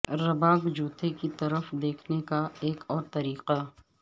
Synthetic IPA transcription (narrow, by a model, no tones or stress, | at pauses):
ɾɐbaːɡd͡ʒuːt̪ekit̪ɐɾəfd̪eːkʰnekaeːkɔːɾt̪ɐɾiːqa